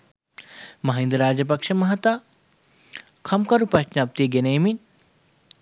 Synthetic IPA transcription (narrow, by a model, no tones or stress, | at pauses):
mɐɦend̪ɾaːd͡ʒɐp̬ɐkʂɐmɐɦɐt̪a | kʰɐmkɐɾupɐʃnaːp̚t̪ieɡeneːmin